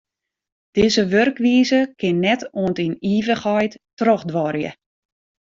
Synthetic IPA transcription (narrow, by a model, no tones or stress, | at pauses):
d̥ɪzəʋørkʋiːzəkɪnːɛtoəntiniːvəxɔjttroxdʋɔrjə̰